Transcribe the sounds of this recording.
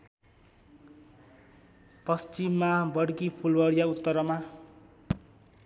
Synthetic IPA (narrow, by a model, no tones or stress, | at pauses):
pʌst͡ʃimːabʌɽkipʰulwʌɽijaut̪ːʌɾʌma